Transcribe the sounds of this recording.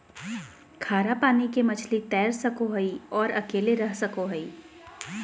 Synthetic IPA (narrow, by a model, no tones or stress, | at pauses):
kʰaːɾapaːnikemɐt͡ʃʰlit̪ɛːɾsɐkoɦɐiɔːɾɐkeːleɾɐɦsɐkoɦɐiː